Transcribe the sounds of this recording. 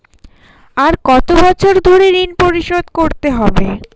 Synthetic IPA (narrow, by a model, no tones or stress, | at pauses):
aɾkɔt̪obɔt͡ɕʰoɾd̪ʱoɾeɾinpoɾiʃod̪koɾt̪eɦɔbe